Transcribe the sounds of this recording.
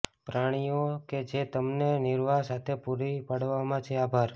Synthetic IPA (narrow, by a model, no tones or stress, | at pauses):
pɾaɽ̃ijoked͡ʒet̪əmnenɪɾʋasat̪ʰepuɾipaɽʋamãt͡ʃʰeabʱaɾ